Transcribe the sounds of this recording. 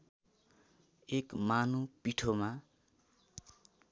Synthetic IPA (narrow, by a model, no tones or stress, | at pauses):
ekmanupiʈʰoma